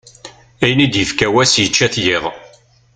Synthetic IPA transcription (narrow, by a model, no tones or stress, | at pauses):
æjnid̪jəfkæwæsjət͡ʃːæθjɪðˤ